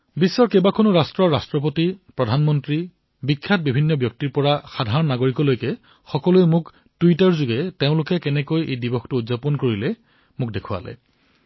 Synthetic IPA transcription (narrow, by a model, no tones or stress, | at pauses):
bisːɔɹkebakʰonʊɹastɹɔɹastɹɔp̬otipɹɔdʱanmɔntɹi | bikʰːat̚bibʱinːɔbjɔk̚tiɹpɔɹaxadʱaɹɔnːaɡoɹikɔlojkɛ | xɔkɔlujmʊk | tuitaɹzʊɡɛteʊ̃lʊkɛkɛnɛkojḛjdibɔxtʊːdzapɔnkoɹilɛ | mʊk̚dekʰʊwa̰lɛ̰